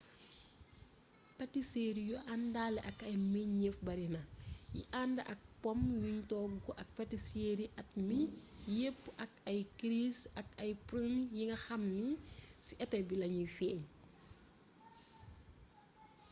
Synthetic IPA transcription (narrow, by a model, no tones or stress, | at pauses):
pɐtiseɾijuʔandaːlɛʔɐkɐjmiɲɲefbɐɾinɐjḭʔandɐʔɐk̚pɔmjuɲtɔːɡɔʔɐk̚pɐtiseɾiʔɐt̚mijepːʔɐkɐjkɾisɐkɐjpɾunjiŋɡɐxɐmnisiʔɛtɐjbilɐɲifɛːɲ